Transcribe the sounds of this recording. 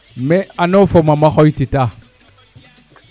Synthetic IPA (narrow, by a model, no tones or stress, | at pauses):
meanofomamaxojtita